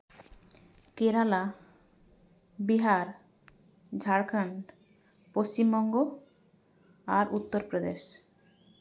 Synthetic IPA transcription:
keɾala | biɦaɾ | d͡ʑʱaɾkʰaɳɖ | post͡ɕimbɔŋɡo | aɾʔut̪ːoɾpɾod̪eʃ

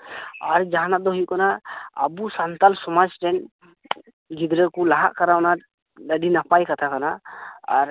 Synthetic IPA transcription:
aɾd͡ʒaɦanat̪̚d̪ɔɦujuʔkanaə̰busant̪alsɔmad͡ʒʈɛn | ɡid̪ɾɛkulaɦa̰ʔkaɾawna | dəɖinapajkat̪ʰakanaa̰ɾ

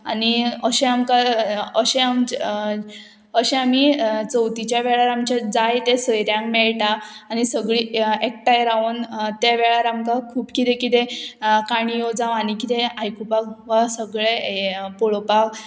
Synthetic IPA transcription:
aniəɕẽamkaəɕẽamt͡ɕ | əɕẽam̤it͡səwt̪it͡ɕjaʋɛɭaɾamt͡ɕad͡zajt̪esəjɾjãŋkmɛɭʈaːnisəɡɭiːek̚ʈajɾaunt̪eʋɛɭaɾamkakʰuːpkit̪ekit̪ekaɽ̃ijod͡zaʋanikit̪eajkupakʋasəɡɭepɔɭopak

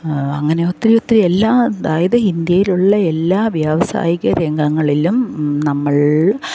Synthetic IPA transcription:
ɐŋːɐnejo̞t̪ːrijo̞t̪ːrielːaːɐðaːjɐðɨind̪jɐjiluɭːɐe̞lːaːʋjaːʋɐsa̰ːjiɣɐɾeŋɡɐŋːɐɭilumnɐmːɐɭ

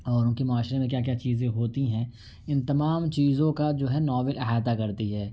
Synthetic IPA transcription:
ɔːɾʊnkemʊaːʃɾemẽk̬jaːk̬jaːt͡ʃiːzẽɦoːt̪iɦɛ̃ː | ɪ̃nt̪ɐmaːmt͡ʃiːzõkad͡ʒoːɦɛnɔːʋəlɪɦaːt̪akɐɾt̪iɦɛː

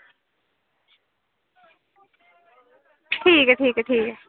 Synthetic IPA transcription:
ʈʰiːkɦɛʈʰiːkɦɛʈʰiːkɦɛ

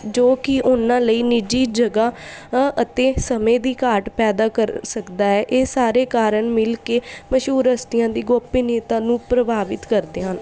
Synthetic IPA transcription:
d͡ʒoːkɪʔʊnãːləiːnɪd͡ʒiːd͡ʒəɡaːʔət̪ẽːsəmẽːd̪iːkaːʈpɛːd̪aːkəɾsəkd̪aːɛːʔeːsaːɾeːkaːɾəɳmɪlkeːməʃuːɾəst̪ɪjãːd̪iːɡoːpiːneːt̪ãːnũːpɾəbaːʋɪt̪kəɾd̪eːɦən

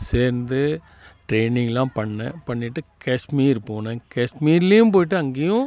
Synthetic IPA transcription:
seːɾnd̪ɯ | ʈɾeːnɪŋɡɐlãːpɐɳːɐ̃pɐɳːɪʈːɯkɐʂmiːɪɾpːoːnɐkɐʂmiːɾɪlɐjʊ̃mp̬oːjɪʈːɯɐŋɡejʊ̃

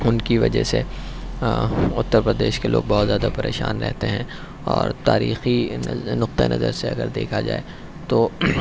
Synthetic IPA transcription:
ʊnkiʋɐd͡ʒəse | ʊt̪ːəɾpɾəd̪eːʃkelʔo̰ːɡ̚bɔːt̪zjaːd̪apɐɾeːʃa̰ːnɾɛ̰ɦt̪eɦɛ̃ | ɔːɾt̪aːɾiːxinʊq̚t̪aenɐzəɾseɐɡəɾd̪eːkʰad͡ʒa̰ːe | t̪oː

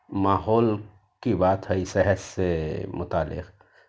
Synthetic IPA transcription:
maːɦɔːl | kibaːt̪ɦəisɛɦəssemʊt̪aːlɪ̰q

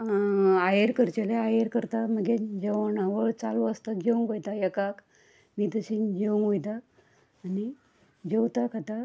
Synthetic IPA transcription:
ajeɾkəɾt͡ɕeleajeɾkəɾt̪aməɡed͡ʑeʋɳaʋəɭt͡saluəst̪aɡʱeuŋɡojt̪ajekak | miːt̪əɕinɡʱeŋɡujt̪aː | ni | d͡ʑewt̪akʰat̪a

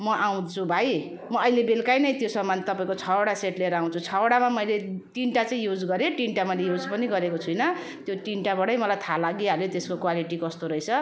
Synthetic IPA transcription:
mʌʔaw̃t͡sʰũbʱaj | mʌʌilebelkajnʌjt̪josʌmːant̪ʌpaĩkot͡sʰʌwaɽaseʈleɾaw̃t͡sʰut͡sʰʌwaɽamamʌjleʈiɳʈat͡saĩjud͡zɡʌɾeʈiɳʈamʌjlejud͡zpʌniɡʌɾekot͡sʰujnʌ | t̪joʈiɳʈabʌɽʌjmʌlajt̪ʰalaɡialjot̪eskokwaliʈikʌst̪oɾʌjt͡sʰʌ

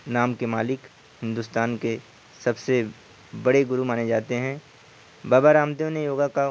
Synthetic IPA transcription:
naːmkemaːlɪk | hɪ̃nd̪uʊːst̪aːnke | sɐbse | bɐɽeɡʊɾumaːned͡ʒaːt̪eɦɛ̃ | baːbaɾaːmt̪̬ijõnejoːɡaka

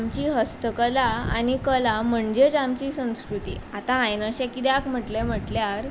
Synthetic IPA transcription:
amt͡ɕiːɦəst̪əkəlaa̰nikəlam̤əɳd͡ʑed͡ʑamt͡ɕiːsə̃w̃skɾut̪ḭat̪ãːjnəɕɛ̃kit̪eakm̤əʈlem̤əʈljaɾ

